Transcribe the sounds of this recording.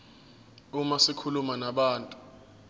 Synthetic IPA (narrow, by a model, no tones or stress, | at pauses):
umasikʰulumanaɓaːntʼu̥